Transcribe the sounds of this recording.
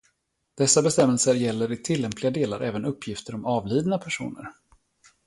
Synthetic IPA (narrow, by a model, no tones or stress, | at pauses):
d̪̥ɛsːabɛst̪ɛmːɛlsəɾjɛlːəɾɪt̪ʰɪlːɛmpʰlɪɡad̪eːla̰ɾʔɛ̰ːvənɵpːjɪft̪əɾɔmɑːvliːd̪napʰæʂṵːnə̰ɾ